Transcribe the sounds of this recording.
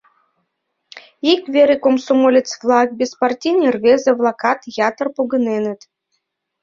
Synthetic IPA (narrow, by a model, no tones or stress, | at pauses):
ikvʲeɾʲikomsomolʲet͡svlˠɑk̚bʲespart̪ʲinʲirvʲezĕvlˠɑkɑt̪jɑt̪ərpoɡɤ̆nenə̆t̪